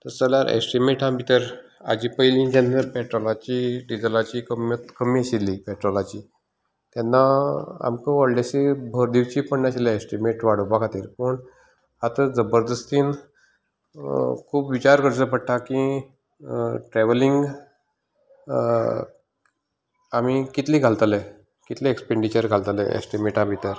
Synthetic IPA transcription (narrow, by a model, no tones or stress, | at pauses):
t̪əɾt͡səlaɾʔḛsʈimeʈambʱit̪əɾa̰d͡ʑiːpəjlĩːd͡ʑenːəɾpɛʈɾɔlat͡ɕiɖid͡zəlat͡ɕikəmjət̪kəmiːəɕilːipɛʈɾɔlat͡ɕiː | t̪ɛnːaa̰mkəʋəɽlaɕebʱəɾd̪iʋt͡ɕiːpəɳːaɕilaesʈimeʈʋaɽ̤ubakʰat̪ḭːɾpəɳ | at̪əɾd͡zəbəɾd̪əst̪iːn | kʰuːpʋit͡ɕaɾkəɾt͡səpəɽʈʰakĩ | ʈɾɛʋəliŋɡ | amikit̪liːɡʱalt̪ale | kit̪leekspeɳɖit͡ɕəɾɡʱalt̪aleʔḛsʈimeʈabʱit̪əɾ